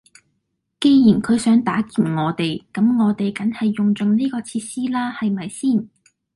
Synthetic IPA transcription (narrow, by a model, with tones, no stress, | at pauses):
ke˧jjiː˨˩nkʰɵ˨˧ɥsœː˨˥ŋt̪aː˨˥kiː˨nŋɔː˨˧t̪e˨˩jkɐ˨˥mŋɔː˨˧t̪e˨jkɐ˨˥nhɐ˨jːʊ˨ŋt͡sɵ˨ŋniː˥kɔː˧t͡sʰiː˧t̚siː˥laː˥hɐ˨jmɐ˨jsiː˥˩n